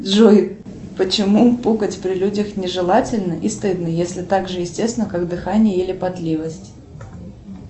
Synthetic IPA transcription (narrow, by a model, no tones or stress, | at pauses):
dʐoj | pət͡ɕɪmupuɡətʲpɾʲɪlʲudʲəxnʲɪʐɨlˠatʲɪlʲnəʔist̪ɨd̪nəjesʲlʲɪt̪aɡʐɨjɪsʲtʲesvʲɪnəkaɡd̪ɨxanʲɪjəɪlʲɪpɐt̪lʲivəsʲtʲ